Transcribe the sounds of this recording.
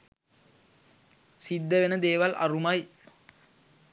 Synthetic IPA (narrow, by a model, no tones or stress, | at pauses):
sid̪ːəʋenəd̪eːʋalʔɐ̰rumɐj